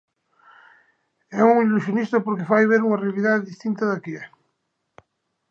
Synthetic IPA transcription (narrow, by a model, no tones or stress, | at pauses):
ɛuŋilusjonist̪apoɾkefajβ̞eɾuŋarealiðaððist̪int̪aðakiɛ